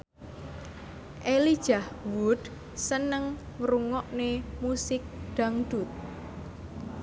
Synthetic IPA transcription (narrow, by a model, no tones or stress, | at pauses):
ʔelid̥ʒ̥ahwud̪̥ | sənəŋː | ɾuŋɔʔnemusɪk̚ɖ̪̥a̤ŋd̪̥ut̪̚